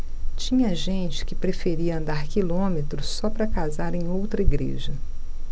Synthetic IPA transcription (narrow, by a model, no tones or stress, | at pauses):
t͡ʃĩɲɐʒẽnt͡ʃɪ̥kɪpɾefeɾiɐɐ̃nd̪aɾkilõmet̪ɾʊsɔpɾɐkazaɾẽj̃owt̪ɾɐiɡɾḛʒɐ